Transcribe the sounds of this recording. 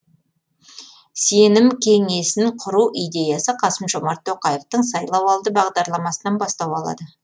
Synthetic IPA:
se̞nɪmkʲʰe̞ŋe̞sɪŋqʰʊɾuʔijd̪e̞jɑsəqʰɑsəmʒo̞mɑɾt̪ʰːo̞qɑje̞ft̪əɴsɑjlˠɑwɑlˠd̪əbɑʁd̪ɑɾlˠɑmɑsənɑnbɑst̪ɑwɑlˠɑ̰d̪ə

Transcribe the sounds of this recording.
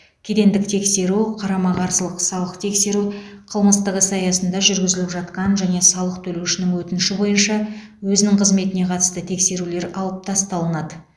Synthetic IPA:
kʲʰe̞d̪e̞nd̪ɪk̚t̪ʰe̞kse̞ɾuqʰɑɾɑmɑʁɑɾsəlˠəqsɑw̪ˠəqt̪ʰe̞kse̞ɾuqʰəlˠməst̪əʁəsɑjɑsənd̪ɑʒʏɾɡʲɪzɪlɪpʒɑt̪qɑnʒæne̞sɑwlˠəqt̪ʰɵle̞wʃɪnɪŋwɵt̪ɪnɪʃɪbo̞jənʃɑ | wɵzɪnɪŋqʰəzme̞t̪ɪne̞qʰɑt̪ə̥st̪ət̪ʰe̞kse̞ɾule̞ɾɑlˠəp̚t̪ʰɑst̪ɑlˠənɑd̪ə

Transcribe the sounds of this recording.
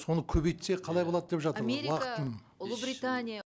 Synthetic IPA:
so̞nəkʲʰɵbejt̪seqʰɑlˠɑjbolˠɑd̪əd̪e̞pʒɑt̪əɾeɾwɑqə̥tənʊlˠəbɾit̪anʲija

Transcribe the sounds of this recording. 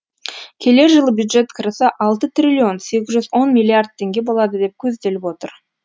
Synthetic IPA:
kʲʰe̞le̞ɾʒəlˠəbjud̪ʒe̞t̪kʰəɾəsəʔɑlˠt̪ət̪ʰrʲilʲːio̞nse̞ɡʲɪzʒʏzwo̞nmʲijlʲˠiard̪̚t̪ʰːe̞ŋɡʲe̞bo̞lˠɑd̪əd̪e̞p̚kʲʰɵzd̪e̞lɪpwo̞t̪əɾ

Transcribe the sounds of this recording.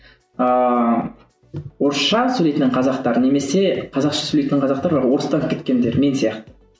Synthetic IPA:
ə | woɾʃɑsʉlet̪ɪnɪɴqʰɑzɑqt̪ɑɾəne̞me̞se̞qʰɑzɑqʃɑsʉlejt̪ɪnɪŋqɑzɑqt̪ɑɾbɾʁwo̞ɾəst̪ɑnkʲʰet̪̚kʲe̞nd̪e̞ɾme̞nsijɑqt̪ə̥

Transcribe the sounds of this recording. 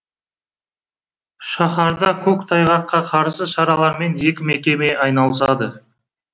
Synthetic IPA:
ʃɑχɑɾd̪ɑkʲʰɵkt̪ʰɑjʁɑqqːɑqʰɑɾsəʃɑɾɑlˠɑɾme̞nje̞kʲɪme̞kʲe̞me̞ʔɑjnɑlˠəsɑd̪ə

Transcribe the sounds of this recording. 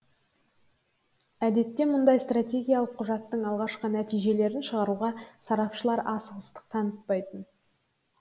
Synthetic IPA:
æd̪e̞t̪ːe̞mʊnd̪ɑjst̪rat̪ʲe̞ɡʲijalˠəqːʰʊʒɑt̪ːəɴɑlˠʁɑʃqənæt̪ijʒe̞le̞ɾɪnʃəʁɑɾuʁɑsɑɾɑpʃəlˠɑɾɑsəʁəst̪ə̥q̚t̪ʰɑnət̪̚pɑjt̪ən

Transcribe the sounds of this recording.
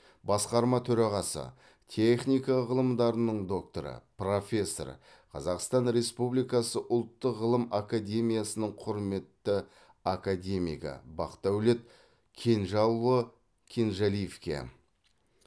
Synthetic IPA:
bɑsqɑɾmɑt̪ʰɵɾɑʁɑsə̰ | t̪ʲʰeχnʲijkɑʁəlˠəmd̪ɑɾənəɴd̪o̞k̚t̪o̞̰ɾə̰pro̞fʲe̞sːo̞̰r | qʰɑ̰zɑqst̪ɑnɾe̞spublijkɑsəʔʊlˠt̪ːəqʁəlˠəmakad̪ʲe̞mʲijasənəɴqʰʊɾme̞t̪ːə | akad̪ʲe̞mḭjkə̰bɑ̰qt̪ɑwle̞t̪̚ | kʲʰe̞nʒɑlˠːə | kʲʰe̞nʒalijefkʲḛ

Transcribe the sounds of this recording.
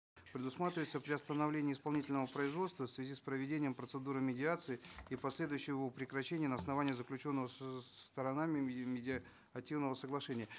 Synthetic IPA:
pɾʲɪd̪ʊsmat̪ɾʲɪvəɪt̪səpɾʲɪɐst̪ənɐvlʲenʲɪːspɐlˠnʲitʲɪlʲnəvəpɾəɪzvo̞t̪st̪vəfsvʲɪzʲispɾəvʲɪdʲenʲɪjəmpɾət̪sɨd̪uɾɨmʲɪdʲɪat̪sɨɪipɐsʲlʲe̞d̪ʊjɕːɪvəpɾʲɪkɾɐɕːenʲɪjənəɐsnɐvanʲɪjəzəklʲʉt͡ɕo̞nːəvəst̪əɾɐnamʲɪmʲɪdʲɪ | ɐtʲːivnəvəsəɡlˠɐʂɛnʲɪjə

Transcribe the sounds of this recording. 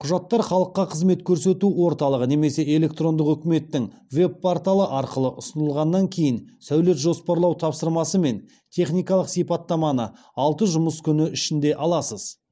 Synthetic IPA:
qʰʊʒɑt̪ːɑɾχɑlˠəqːɑqʰəzme̞t̪kʲʰɵɾse̞t̪uwo̞ɾt̪ɑlˠəʁəne̞me̞se̞e̞le̞kt̪ro̞nd̪əqɵkʲɪme̞t̪ːɪŋ | ve̞bːʰoɾt̪alˠəʔɑɾqəlˠəʔʊsənəlˠʁɑnːɑŋkʲʰe̞jɪnsæwle̞t̪ʒo̞spɑɾlˠɑwt̪ʰɑpsəɾmɑsəme̞n | t̪ʲʰe̞χnijkɑlˠəqsijpɑt̪ːɑmɑnə | ɑlˠt̪əʒʊməskʲʰʏnɪʔʏʃɪnd̪e̞ʔɑlˠɑsəz̥

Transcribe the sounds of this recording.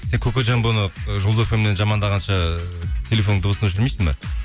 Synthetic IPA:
se̞ŋkʲʰɵkʲeʒɑɴbonəʒolˠd̪ofemenenʒɑmɑnd̪ɑʁɑnʃɑt̪ʲʰe̞lʲefo̞nːəɴd̪ʊbəsənɵʃɪɾmejsɪŋmɑ̰

